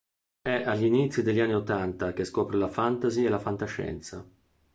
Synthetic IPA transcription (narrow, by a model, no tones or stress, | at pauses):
ɛʔaʎːinit̪sːid̪eʎːianːiot̪ːant̪ak̟eskɔːpɾelafant̪azielafant̪aʃɛ̰nt̪sa̰